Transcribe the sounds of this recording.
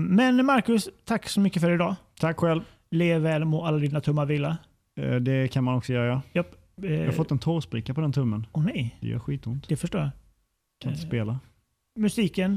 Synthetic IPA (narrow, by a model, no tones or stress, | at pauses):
mɛnmaɾkɵst̪ʰakːsɔmʏkːəfœɾɪd̪ɑːt̪ʰakːɧɛlv | leːvɛːlmoalːad̪iːnat̪ʰɵmːaɾviːla | d̪ɛkʰanmanɔksɔjœːɾajajɑ | hafɔt̪ːɛnt̪ʰoːɾspɾɪkːapʰɔd̪ɛnt̪ʰɵmːənɔnɛjd̪ɛ̰jœ̰ːɾɧiːt̪ʊnt̪d̪ɛfœʂʈoːja | kʰanɪt̪əpeːla | mɵsiːkən